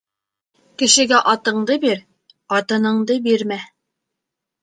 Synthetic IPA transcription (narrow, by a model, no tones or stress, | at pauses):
kɘ̆ʃɘ̆ɡæʔɑt̪ɤ̆ɴd̪ɤbiɾ | ɑt̪ɤ̆nɤ̆ɴd̪ɤbiɾmæ